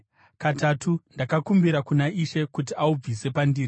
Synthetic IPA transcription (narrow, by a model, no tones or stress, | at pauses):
katatʰundakakumbiɾakunaiʃe̞kut̬iaub͡vise̞pandiːri